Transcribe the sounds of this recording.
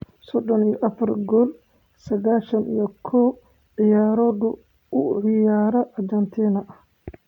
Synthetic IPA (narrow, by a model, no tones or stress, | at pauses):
sɔd̪ɔnijɔʔɐfɐrɡɔl | sɐɣaːʃɐnijɔkʰɔ | ʕɪjaːɾɔðʊ | ʔʊʕɪjaːɾɐʔɐrd͡ʒɐnt̪ʰiːnɐʔɐ